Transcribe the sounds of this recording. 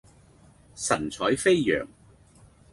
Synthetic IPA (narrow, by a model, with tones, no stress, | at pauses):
sɐ˨˩nt͡sʰɔː˨˥jfe˥jːœ̰ː˨˩ŋ